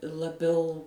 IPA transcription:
lˠɐˈbʲɛʊ

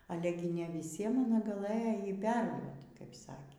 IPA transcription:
ˈɑːlʲɛ ɡʲɪ nʲɛ ʋʲɪˈsʲiɛm ɐˈnɐ ɡɐˈlˠɘjoː ˈjiː ˈpʲɛrduɔt kɐɪp ˈsɑːkʲeː

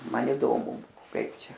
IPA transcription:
ˈmɐn iːˈdoːmʊ ˈkɐɪp ˈt͡ʃʲɛ

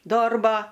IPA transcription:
ˈdoːrboː

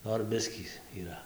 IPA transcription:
ˈnoːr ˈbʲɪsʲkʲiː iːˈrɐ

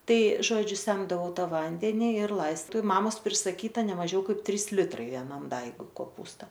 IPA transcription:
ˈtɐɪ ˈʒoːd͡ʒʲʊ ˈsʲɛmdɐʋɐʊ ˈtɑː ˈʋɐnʲdʲɛnʲɪ ɪr ˈlˠɐɪstɐʊ ɪ ˈmɑːmoːs pʲrʲɪsɐˈkʲiːtɐ nʲɛˈmɑːʒʲɛʊ ˈkɐɪp ˈtʲrʲiːs ˈlʲɪtrɐɪ ʋʲɛˈnɐm ˈdɐɪɡʊɪ koːˈpuːstɐ

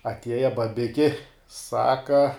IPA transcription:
ɐtʲˈiɛjɛ bɐˈbʲɪkʲɪ ˈsɑːkɐ

